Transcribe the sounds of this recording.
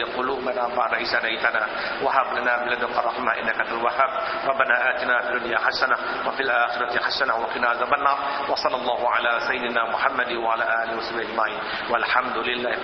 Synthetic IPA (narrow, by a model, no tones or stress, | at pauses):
qʊluːbanaˤbaʕnʕiːʃanajt̪anaː | waħɑɾˤlanaːbalad̪ʊkɑɾˤɑħɪmaʔɪ̰nːakat̪alwahaːb̚ | ɾˤɑbːanaːʔaːt̪ɪnafid̪ʊnjaħaʃːana | wafiːlʔaːxɪɾˤɑt̪ɪħaʃːanawaqɪnaazabanːɑːɾˤ | wɑsˤɑlːɑlˤːɑːhʊʕalasajːɪd̪ɪnaːmʊħamːad̪waʕalaːʔaːlɪwasʊbʔad͡ʒmaʕiːn | walħamd̪ʊlɪlːaː